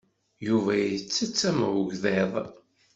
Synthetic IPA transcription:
juvæjət͡sːət͡sːæmʊʝðeðˤ

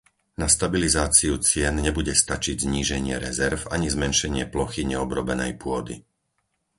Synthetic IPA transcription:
nast̪abilizaːt͡siut͡sɪɛnɲɛbuɟɛst̪at͡ʃiɟzɲiːʒɛɲɪɛɾɛzɛɾfa̰ɲizmɛnʃɛɲɪɛplɔxiɲɛɔbɾɔbɛnɛ̰jpʊɔd̪ḭ

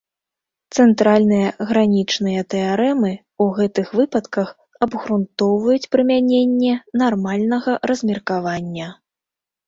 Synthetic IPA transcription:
t̪sɛnt̪ɾalʲn̪ɨjɐɣɾanʲit͡ʂnɨjɐt̪ɛaɾɛmɨ | uɣɛt̪ɨxvɨpɐt̪kɐx | ɐbɣɾunt̪ɔwvɐjut͡sʲpɾɨmʲanʲenʲːɛnarmalʲnɐɣɐɾɐzʲmʲirkavanʲːɐ

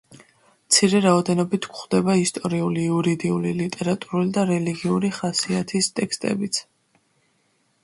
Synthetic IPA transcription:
mt̪sʰiɾɛɾaɔd̪ɛnɔbit̪ʰɡχd̪ɛbaist̪ʼɔɾiuliuɾid̪iulilit̪ʼɛɾat̪ʼuɾulid̪aɾɛliɡiuɾiχasiat̪ʰist̪ʼɛkst̪ʼɛ̰bit̪sʰ

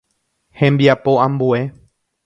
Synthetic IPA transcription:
hẽmbiapo̞ãmbue̞

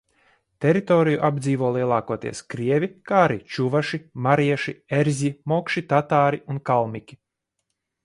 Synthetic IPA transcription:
t̪ɛɾit̪ɔːɾijuʔabd̪ziːvuɔlˠiɛlˠaːkuɔt̪ḭɛskɾiɛvʲikaːɾit͡ʃuvaʃimaɾiɛʃieɾzʲimɔkʃit̪at̪aːɾiunkalˠmʲikʲi̥

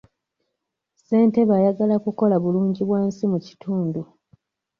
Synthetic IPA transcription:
se̞ːnte̞βajaɡalakuko̞laβuluːɲɟiβwaːnsimuci̥tʰuːndu

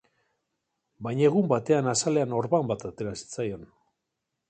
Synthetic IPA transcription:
bajɲaeɣumbat̪e̞anasale̞ano̞ɾβambat̪at̪e̞ɾasi̥t͡sajo̞n

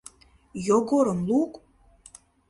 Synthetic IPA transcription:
joɡoɾəmlukʼ

